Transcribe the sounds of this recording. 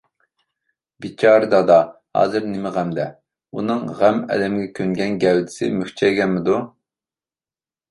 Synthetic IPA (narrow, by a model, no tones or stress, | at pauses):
bit͡ʃʰɑːɾɨd̪ɑd̪ɑhɑ̰ːzɨɾnɪmɪʁæmd̪ɛ | unɨŋʁæmɛ̰lɛmɡʲɛkʲʰøŋɡʲɛnɡʲɛwd̪ɪ̥sɪmykʲt͡ʃʰɛjɡʲɛnmɪd̪u